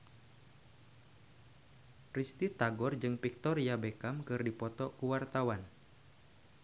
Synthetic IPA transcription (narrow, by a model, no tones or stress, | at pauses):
rist̪it̪aɡɔrd͡ʒɨŋpik̚t̪ɔrjabekamkɨrdipɔt̪ɔkuwart̪awan